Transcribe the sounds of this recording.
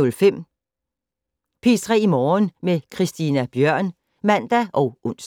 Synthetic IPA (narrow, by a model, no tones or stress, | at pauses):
olfem̰ | pʰisʁɛ̰ːimɒːnmekʰʁisd̥iːnæb̥jœɐ̰n | mæn̰d̥æʔɒ̽ʊʔɔn̰s